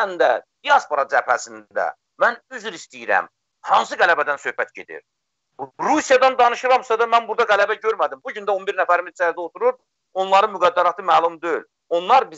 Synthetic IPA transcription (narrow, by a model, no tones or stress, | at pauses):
nd̪æd̪̥ijɑspo̞ɾɑd͡ʒæphæ̰sind̪æ̰ | mænyzyɾist̪ijiɾæ̰m | hɑns̬ɯɡælæbæd̪ænsø̞hbæt̪ɟe̞d̪ḭɾ | ɾusijɑd̪ɑnd̪ɑnɯʃɯɾɑmsɑd̪ɑmænbuɾd̪ɑɡælæbæɟø̞ɾmæd̪imbuɟynd̪æo̞nbiɾnæfæɾimizt͡ʃæɾd̪æot̪ʰuɾuɾ | o̞nlˠɑɾɯnmyɡæd̪ːæɾɑt̪ʰɯmæːlˠumd̪ø̞jyl | o̞nlˠɑɾbi